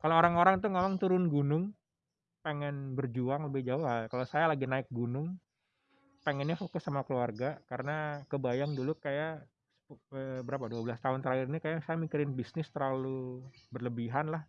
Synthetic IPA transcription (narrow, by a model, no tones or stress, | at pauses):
kaloːɾaŋoɾaŋt̪̬uŋamaŋt̪uɾʊnɡunʊŋ | peŋɛnbərd͡ʒuaŋləbɪhd͡ʒaʊhalkalawsajalaɡinaɪk̚ɡunʊŋ | pəŋɛnɲafokʊsːamakəluarɡakaɾənakəbajaŋdulukaja | sə̥əbəɾapaduabəlast̪aɦʊnt̪əɾahɪɾinikajasajamikiɾɪnbisnɪst̪ərlalubərləbiɦanlah